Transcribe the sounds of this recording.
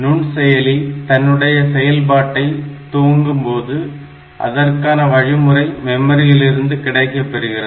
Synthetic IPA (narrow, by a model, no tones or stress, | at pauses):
nʊɳsɛjɐlit̪ɐnːɯɽɐjɐsɛjɐlbaːʈːɐɪt̪uːŋɡɯmpoːðɯ | ʔɐ̰ðɐrkaːnɐʋɐɻɪmɯrɐɪmɛmːɐɾɪjɪlɪɾɯnd̪ɯkɪɽɐɪkːɐpːɛɾɯɣɪrɐð